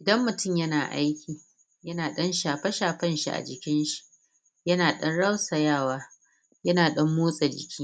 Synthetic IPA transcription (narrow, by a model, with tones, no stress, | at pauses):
ʔɪ˨dɐ˦mːʊ˨tʊ˦˨mjɐ˦naː˨ʔa̰˦jkʲʰiː˨ | jɐ˦naː˨ɗɐ˦nʃaː˨ɸɐ˦ʃaː˨ɸɐ˦nʃḭ˦ʔa̰˨d͡ʒɪ˨kʲɪ˦nʃi̥˨ʔ | jɐ˦naː˨ɗɐ˦nɽa˦wsɐ˨jaː˦˨waː˦ | jɐ˦naː˨ɗɐ˦mːuː˦sʼa˨d͡ʒɪ˨kʲʰiː˦